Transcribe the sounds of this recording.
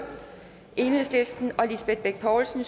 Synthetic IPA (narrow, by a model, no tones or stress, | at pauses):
ʔe̝ːnhesle̝sd̥n̩ɒ̽lisb̥ed̥̚b̥eɡ̥̚pʰɒːlsn̩s